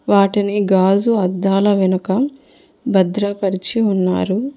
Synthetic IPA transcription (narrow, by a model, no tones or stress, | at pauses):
ʋaːʈiniɡaːd͡ʒuɐd̪ːaːlɐʋinɐkɐ | bɐd̪ɾɐpɐɾit͡ʃiunːa̰ːɾu